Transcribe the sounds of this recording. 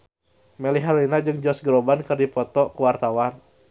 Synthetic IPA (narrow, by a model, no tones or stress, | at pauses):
mɛliɦalinad͡ʒɨŋd͡ʒɔsɡɾɔbankɨrdipɔt̪ɔkuwart̪awan